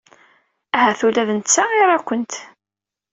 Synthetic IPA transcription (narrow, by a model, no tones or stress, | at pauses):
æɦæθulæðənt͡sːaʁɪɾˤækʷːənt̪